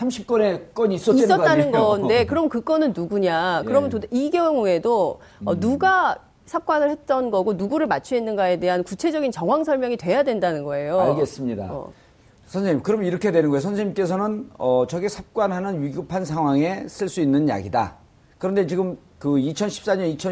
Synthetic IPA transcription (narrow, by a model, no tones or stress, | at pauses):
sʰamɕʰip̚k͈ʌnek͈ʌɲiis͈ʌisʌtt͈anɯnɡʌndekɯɾʌmʌkɯk͈ʌnɯnːuɡuɲakɯɾʌmntodiɡjʌŋue̞do | ʌnuɡa | sʰap̚k͈wanɯɭhe̞t̚t͈ʌnɡʌɡonuɡuɾɯɭmat͡ɕʰuinːɯnɡae̞de̞ɦankut͡ɕʰe̞d͡ʑʌɡint͡ɕʌŋɦwaŋsʰʌɭmjʌŋitwe̞jadwe̞ndanɯnɡʌe̞joaɭɡes͈ɯmɲida̰ | sʰʌnsʰeɲimkɯɾʌmjʌniɾʌkʰe̞dwe̞nɯnɡʌeosʰʌnsʰeɲimk͈e̞s̬ʰʌnɯnʌt͡ɕʌɡesʰap̚k͈wanɦanɯnɥiɡɯpʰansʰaŋɦwaŋe̞sʰɯɭs͈uinːɯnja̰ɡida̰ | kɯɾʌnde̞t͡ɕiɡɯm | kɯit͡ɕʰʌnɕʰi̥p̚s͈aɲʌnit͡ɕʰʌ